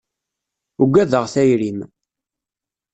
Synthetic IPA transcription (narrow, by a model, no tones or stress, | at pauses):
uɡʷːæðəʁθæjɾim